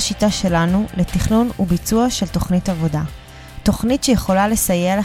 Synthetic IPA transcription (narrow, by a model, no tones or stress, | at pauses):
ʃitaʃe̞lanuletiχnunubit͡suaʃe̞lto̞χnitavo̞da | to̞χnitʃejeχo̞lale̞sajel